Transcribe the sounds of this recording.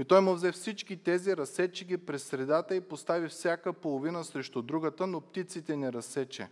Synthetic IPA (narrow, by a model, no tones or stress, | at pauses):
it̪ɔjmʊvzɛfsit͡ʃkit̪ɛziɾɐsɛt͡ʃiɡipɾɛsɾɛd̪at̪əipost̪avifsʲjakəpolˠovinəsɾɛʃt̪ʊd̪ɾuɡət̪ənopt̪it̪sit̪ɛnɛɾɐsɛt͡ʃɛ̰